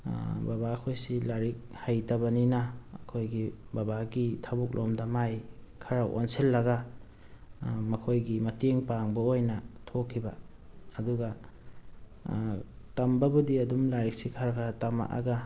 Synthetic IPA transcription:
babaːkʰojsilaɾik̚hajtɐβɐninɐ̰ːkʰojɡibabaɡitʰabuk̚lʔomdɐmajkʰaɾaʔo̰nselːɐɡɐ | mɐkʰojɡimɐteŋpaŋbɐojnɐtʰokʰːibɐː | duɡɐ | tɐmbɐbudiɐdumlaɾik̚sikʰaɾakʰɾatama̰ʔa̰ɡɐ

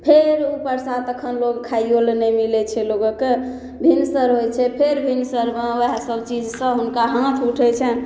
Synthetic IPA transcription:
pʰeɾupəɾsat̪əkʰənloɡkʰajolnɛmilɛt͡ʃʰɛloɡoke | bʱinsəɾɦojt͡ʃʰɛpʰeɾbʱinsəɾmeəɦsəbt͡ʃid͡ʒsə̃ɦunkaɦãt̪ʰuʈʰɛt͡ʃʰɛ

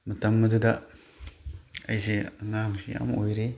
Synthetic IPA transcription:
mɐtɐmːɐduda | ɐjzeɐnamsḭa̰mojɾe

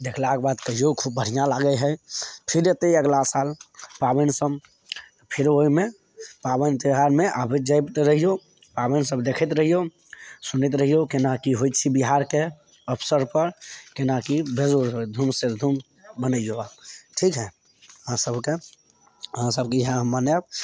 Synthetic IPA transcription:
d̪ekʰlakbaːt̪kəɦijokʰub̚bʱəɽ̤ijãlaɡəjɦɛpʰɪɾet̪eiəɡlasaːlpabənsəb | pʰɪɾoimẽ | pabənt̪iɦaɾmẽʔabʱed͡ʒajt̪ɾəɦijo | paːbənsəbd̪ekʰət̪ɾəɦijo | sʊnit̪ɾəɦijokɪnakiɦoit͡ʃʰibiɦaɾke | əpʰsəɾpəɾkɪnakibezoɾɦod̪ʱumsed̪ʱum | bənəijoaʈʰiːkɦɛ | ɦãsəbke | ɦãsəb̚kijɦãɦmːanjab̚

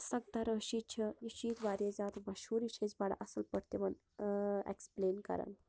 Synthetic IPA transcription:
səɡ̚d̪aɾəʃit͡ʃʰəiʃiːt̪ʋaɾed͡zat̪mɐʃɦuːɾit͡ʃʰezbaɽa̰ʔɐsəlpəɾt̪emɐn | ḛkspleːnkɐ̰ɾa̰n

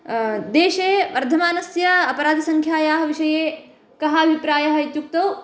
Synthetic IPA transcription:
d̪eːʃeʋɐɾd̪ʱɐmaːnɐsjɐɐpɐɾaːd̪ʱisɐŋkʰjaːjaːɦɐʋiʃɐje | kɐɦaːbʱipɾaːjɐɦɐjt̪juk̚t̪ɐw

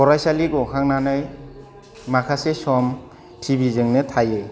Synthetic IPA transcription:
ɔɾajsaliɡuhʰaŋnanaj | makʰasesɔm | tʰibizɯŋnɯtʰaje

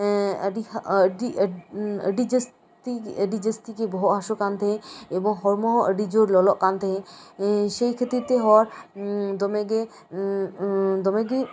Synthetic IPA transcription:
əɖiɖi | ə̰ɖid͡ʒəs | t̪iəɖid͡ʒəst̪ikebɔɦɔʔɦaʃokant̪eɦẽebɔŋɦɔɾmɔɦɔʔəɖid͡ʒoɾlɔlɔʔkant̪ʰeɦẽ | ʃejkʰət̪ɾiɾt̪eɦɔɾd̪ɔmeɡe | d̪ɔmeɡi

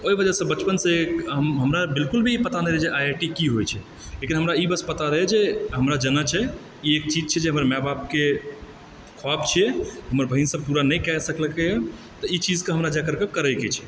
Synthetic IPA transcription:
oibəd͡ʒəsə̃bət͡ʃpənsə̃ekɦəmɦəmɾabilkulbʱiːpət̪anɛɾɛd͡ʒeʔajaʈikiɦojt͡ʃʰɛ | lekinɦəmɾaibəspət̪aɾəɦɛd͡ʒeɦəmɾad͡ʒənət͡ʃʰɛ | iek̚t͡ʃid͡ʒt͡ʃʰɛd͡ʒeɦəməɾmɛbap̚ke | kʰoabt͡ʃʰiɛɦəməɾbʱəɦinsəb̚puɾanəjkɛɛsəkləkejə | t̪əit͡ʃid͡ʒkeɦəmɾad͡ʒakəɾkekəɾəjket͡ʃʰɛ̥

